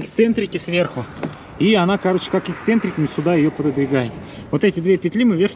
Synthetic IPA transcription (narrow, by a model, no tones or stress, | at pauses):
ɪkst̪sɛnt̪ɾʲɪkʲɪsvʲe̞rxʊ | ianakɐɾot͡ɕɪ̥kakɪkst̪sɛnt̪ɾʲɪkəmʲɪsʲʊd̪ajɪjo̞pəd̪əd̪vʲɪɡajɪt̪ | vo̞t̪ɛtʲɪd̪vʲepʲɪt̪ʲlʲimɨvʲerx